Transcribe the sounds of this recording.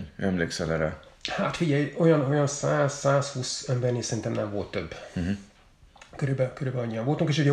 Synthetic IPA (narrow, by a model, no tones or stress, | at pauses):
ɛmleːksɛlɛɾɛhat̪fiɟɛjo̞jɒno̞jɒnsaːzsaːshuːsɛmbɛrnisɛɾint̪ɛmnɛɱvo̞lt̪ːøb̩ː | køɾybɛkøɾyːbɛlɒɲːijɒɱvolt̪uŋkeːʃuɟɛ